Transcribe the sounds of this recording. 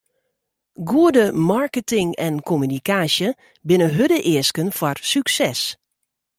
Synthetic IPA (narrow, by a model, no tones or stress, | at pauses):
ɡuədəmarkətɪŋɛnkʰomynikaːsjə | bɪnəɦødəʔɪəskənfɔrsyksɛs